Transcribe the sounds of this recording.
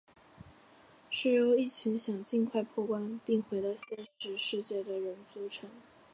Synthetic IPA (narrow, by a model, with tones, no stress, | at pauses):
ʂɻ̩˥˩jo˧˥ʊi˥˩t͡ɕʰi˧˥ŋɕjɑ˨˩ŋt͡ɕi˥˧nkʰwa˥˧ɪpʰwɔ˥˩kwa˥npi˥˩ŋxwe˧˥ɪt̪ɑ˥˩ʊɕjɛ˥nʂɻ̩˧˥ʂɻ̩˥˧t͡ɕjɛ˥˩d̪ə˩ɻə˧˥nt͡su˥˩ʈ͡ʂʰɤ˧˥ŋ